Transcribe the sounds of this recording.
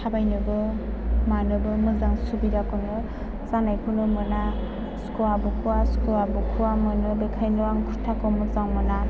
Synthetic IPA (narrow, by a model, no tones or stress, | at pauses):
tʰabajnɯbɯ | manɯbɯmɯzaŋsubidakʰɯnɯ | zanajkʰɯnɯmɯna | skuabɯkʰuwaskuabɯkʰuwamɯnɯbekʰajnɯwaŋkʰutʰːakɔmɯzaŋmɯna